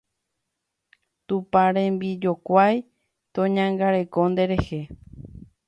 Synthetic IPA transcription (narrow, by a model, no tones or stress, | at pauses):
t̪upaɾẽ̞mbid͡ʒo̞kʷaj | t̪õ̞ɲãŋɡaɾe̞ko̞nd̪e̞ɾe̞he̞